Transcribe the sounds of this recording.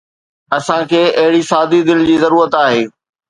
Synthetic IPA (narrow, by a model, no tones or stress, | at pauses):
ɐsãkʰeːɐɦɪɽisaːd̪id̪ɪld͡ʑiːzɐɾuːɾət̪aːɦeː